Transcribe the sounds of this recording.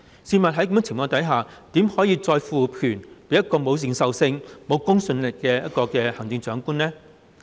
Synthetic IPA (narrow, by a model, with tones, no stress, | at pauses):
siː˧mɐ˨t̚ɦɐ˧˥jkɐ˧˥mː˥t͡sʰɪ˨˩mfɔː˧ŋt̪ɐ˨˥jɦaː˨t̪iː˨˥mhɔː˨˥jiː˧t͡sɔː˧jfuː˨pʰyː˨˩npe˨˧jɐ˥t̚kɔː˧mo˨˧wsɪ˨˩ŋsɐ˨wsɪ˧ŋmo˨˧wkʊ˥ŋsɵ˧nlɪ˨kːɛː˧jɐ˥t̚kɔː˧kɛː˧hɐ˨˩ŋt͡sɪ˧ŋt͡sœː˨˥ŋkuː˥nlɛː˥